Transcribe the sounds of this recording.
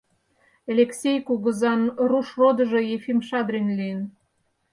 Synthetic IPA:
elʲeksʲejkuɣəzɑnruʃrod̪ə̆ʒojefimʃɑd̪ɾinlijən

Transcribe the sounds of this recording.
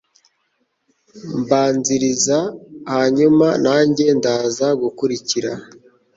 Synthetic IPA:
mbaːnziɾizahaɲumanaːɲɟe̞ndaːzaɡukuɾiciɾa

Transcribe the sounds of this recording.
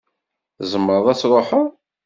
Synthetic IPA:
zəmːəɾðˤæt͡sːɾˤoħə

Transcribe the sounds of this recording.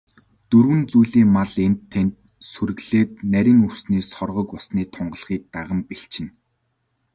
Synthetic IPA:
t̪ɵrwɘ̆nt͡sujɮiːŋmaɮent̪ʰːent̪ | sɵɾɘ̆ɣɮ̥eːt̪̚næɾʲiːŋɵwsniːsɔrʁɞ̆kʊɮsniːt̪ʰɔɴɢə̆ɮχiːk̚t̪aʁə̆mpeɬt͡ɕɪ̆n

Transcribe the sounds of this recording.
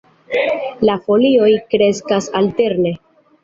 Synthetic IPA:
lafo̞lio̞jkɾe̞skasalte̞ɾne̞

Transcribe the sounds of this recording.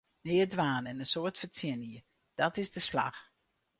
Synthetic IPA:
neːədʋaːnɛnənsoːɹtfətsɪniə | d̥ɑtɪzdəslɑ̰χ

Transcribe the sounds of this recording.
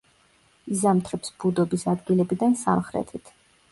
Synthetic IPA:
izamt̪ʰɾɛpsbud̪ɔbisad̪ɡilɛbid̪ansa̰mχɾɛ̰t̪ʰit̪ʰ

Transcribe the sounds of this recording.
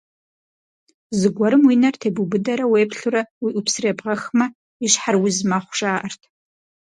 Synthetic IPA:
zɨɡʷɔɾɨmwinɐrtʰeːbubɨdɐɾɐweːpʰɬuɾɐwiʔupsreːbʁɐxmɐ | iɕħarwizmaχʷʊʒaːʔɐrtʰ

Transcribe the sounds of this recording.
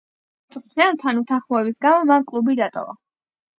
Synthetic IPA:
t̪ʼt̪ʰnɛlˠt̪ʰanut̪ʰaχmɔɛbisɡamɔmankʼlˠubid̪at̪ʼɔ̰va̰

